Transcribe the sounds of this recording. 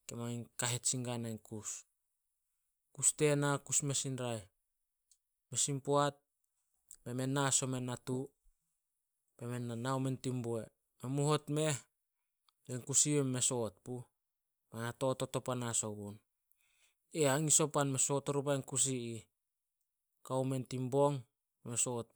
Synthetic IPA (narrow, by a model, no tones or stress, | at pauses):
ke̞maŋiŋkaɦet͡ʃiŋɡanankus | kuste̞nakusme̞sinɾaj | me̞simpoat̚ | me̞me̞nːaso̞me̞natu | me̞me̞nanawme̞ntimboe | memuɦo̞tme̞h | eŋkusimemːe̞so̞t̚pu | manato̞tːoto̞panasoɡun | eaŋiso̞panme̞so̞tːoɾup̬ajŋkus̬iː | kawme̞ntimbo̞ŋ | emesot̚